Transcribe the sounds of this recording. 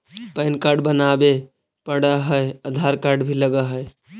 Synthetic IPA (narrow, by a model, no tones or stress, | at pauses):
pənkaɾɖbənabe | pəɽəɦəjəd̪ʱaɾkaɾɖbʱiləɡəɦəj